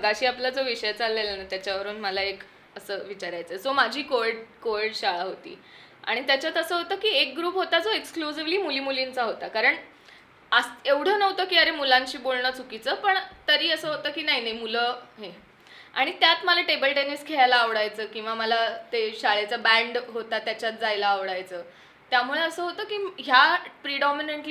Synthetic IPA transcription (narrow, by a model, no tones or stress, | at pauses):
bʱəɡaɕiːaplad͡zoʋiɕəjt͡salːelənat̪jat͡ɕjaʋəɾuːnməlaek | əsəːʋit͡ɕaɾajt͡səed͡zomad͡ʑʱiːkoɖkoɖɕaɭaɦot̪ḭː | a̰ɽ̃it̪jat͡ɕat̪əsəːɦot̪əːkiːek̚ɡɾuːpɦot̪ad͡zoeksklusiʋliːmuliːmulint͡saɦot̪akaɾəɳ | əseʋɽ̤əːnəʋt̪əːkiːəɾemulãɲt͡ɕiːbolɳəːt͡sukit͡səpəɳt̪əɾiːəsəːɦot̪əːkiːnaɦinaɦimuləːɦe | a̰ɽ̃it̪jat̪məlaʈebəlʈeniskʰeɭajlaːʋɽajt͡səːkĩw̃ʋaməlat̪eɕaɭet͡səːbæ̃ɳɖɦot̪at̪jat͡ɕjat̪̚d͡zajlaːʋɽajt͡səː | t̪jamuɭeəsəːɦot̪əːkiːɦjapɾiɖɔmineɳʈl